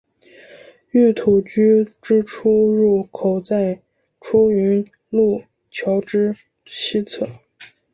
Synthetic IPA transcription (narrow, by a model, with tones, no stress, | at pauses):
y˥˩t̪ʰu˨˩t͡ɕy˥ʈ͡ʂɻ̩˥ʈ͡ʂʰu˥ɻu˥˩kʰo˨˩ʊt͡sa˥˧ɪ | ʈ͡ʂʰu˥y˧˥n | lu˥˩ | t͡ɕʰjɑ˧˥ʊʈ͡ʂɻ̩˥ | ɕi˥t͡sʰɤ˥˩˦